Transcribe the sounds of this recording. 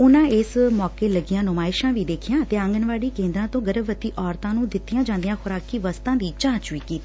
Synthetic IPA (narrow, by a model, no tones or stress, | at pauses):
ʊnãːɪsmɔːkeːləɡɪjãːnʊmaːɪʃãːʋiːd̪eːkʰɪjãːət̪eːə̃ŋɡənʋaːɽiːkẽːnd̪ɾãːt̪õːɡəɾəbʋət̪iːʔɔːɾt̪ãːnũːd̪ɪt̪ːɪjãːd͡ʒãːnd̪ɪjãːxʊɾaːkiːʋəst̪ãːd̪iːt͡ʃãːt͡ʃʋiːkiːt̪iː